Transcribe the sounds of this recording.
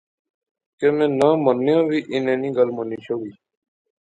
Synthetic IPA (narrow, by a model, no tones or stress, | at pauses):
kemẽːnə̃ːmənːɪjõːʋiːʔɪnẽːnĩːɡəlməniːʃoːwiː